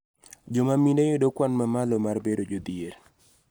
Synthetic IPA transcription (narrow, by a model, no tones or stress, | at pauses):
d͡ʒɔmamindejodokwanmamalomarbedod͡ʒod̪ieɾ